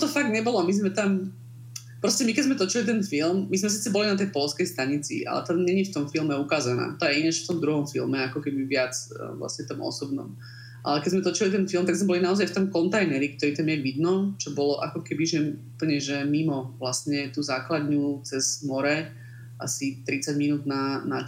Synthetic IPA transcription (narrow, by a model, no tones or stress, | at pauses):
t̪ɔfaɡ̚d̪ɲɛbɔlɔamizmɛt̪am | pɾɔscɛmikɛzmɛt̪ɔt͡ʃilit̪ɛnfilmmizmɛs̬iːt͡sɛbɔlinat̪ɛjpɔlskɛjst̪aɲit͡sḭa̰lɛ̰t̪aɲɛɲift̪ɔmfilmɛukaːzana̰ːt̪ɔjɛinaʃft̪ɔmd̪ɾuɦɔmfilmɛakɔkɛbiʋɪat͡sla̰sɲɛt̪ɔmɔ̰sɔbnɔ̰m | ʔa̰lɛkɛɟzmɛt̪ɔt͡ʃilit̪ɛnfilˠmt̪aɡzmɛbɔlinaɔzajft̪ɔmkɔnt̪ajnɛɾik̚t̪ɔɾiːt̪amjɛʋid̪nɔt͡ʃɔbɔlɔʔakɔkɛbiʒɛupl̩ɲɛʒɛmimɔʋlasɲɛt̪uːzaːklad̪ɲut͡sɛz̥mɔɾɛ | ʔa̰sit̪ɾit͡saɟminuːd̪nana